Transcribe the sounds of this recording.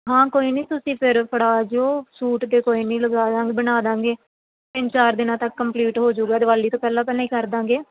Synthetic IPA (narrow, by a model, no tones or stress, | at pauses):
ɦãːkoːiːnĩːt̪ʊsĩːpʰɪɾpʰəɽaːd͡ʒoːsuːʈd̪eːkoːiːnĩːləɡaːd̪ãːŋɡeːbənaːd̪ãːŋɡeː | t̪ɪ̃ɲt͡ʃaːɾd̪ɪnãːt̪əkːəmpliːʈɦoːd͡ʒuːɡaɛːd̪əʋaːliːt̪õːpɛːlãːpɛːlãːiːkəɾd̪ãːŋɡeː